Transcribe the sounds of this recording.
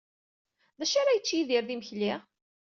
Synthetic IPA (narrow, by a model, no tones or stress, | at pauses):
ðæʃaɾajət͡sːjiðiɾðiməçli